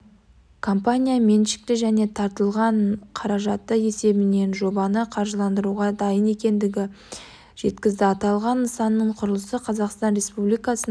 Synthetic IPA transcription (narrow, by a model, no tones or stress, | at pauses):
kʰo̞mpanʲijame̞nʃɪ̥k̚t̪ɪʒæne̞t̪ʰɑɾt̪əlˠʁɑɴqʰɑɾɑʒɑt̪ːəje̞se̞bɪne̞nʒo̞bɑnəqʰɑɾʒəlˠɑnd̪əɾuʁɑd̪ɑjəne̞kʲe̞nd̪ɪɡʲɪ | ʒ̥e̞t̪kʲɪzd̪ɪɑt̪ɑlˠʁɑnəsɑnːəɴqʰʊɾəlˠəsəqʰɑzɑqst̪ɑnɾe̞spublijkɑsən